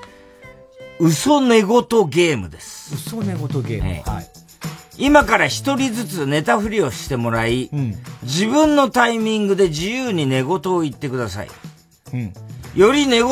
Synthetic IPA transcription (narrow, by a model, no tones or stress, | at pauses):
ɯ̟so̞ne̞ɡo̞t̪o̞ɡe̞ːmɯ̟d̪e̞sɨ̥ | imakaɾaçi̥t̪o̞ɾʲizɨt͡sɨne̞t̪aɸɯ̟ɾʲio̞ɕi̥t̪e̞mo̞ɾaid͡ʑibɯ̟̃nːo̞t̪aimʲĩŋɡɯ̟d̪e̞d͡ʑijɯːɲ̟ine̞ɡo̞t̪o̞ːit̪ːe̞kɯ̟d̪as̬a̰ḭ | jo̞ɾʲine̞ɡ